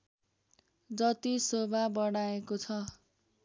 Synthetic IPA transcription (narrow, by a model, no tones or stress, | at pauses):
d͡zʌt̪isobʱabʌɽ̃aekot͡sʰʌ